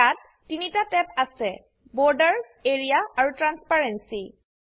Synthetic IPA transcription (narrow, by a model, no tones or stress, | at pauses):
atː | initatɛpasɛ | bɔɹdəɹ | eɹijaaɹutɹanspaɹensi